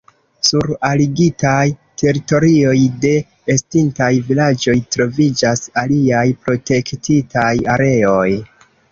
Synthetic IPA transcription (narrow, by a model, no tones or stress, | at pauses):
suɾaliɡitajtʰe̞ɾito̞ɾio̞jde̞ː | stintajvilad͡ʒo̞jtɾo̞vid͡ʒasaliajpɾo̞te̞ktitʰajaɾe̞o̞j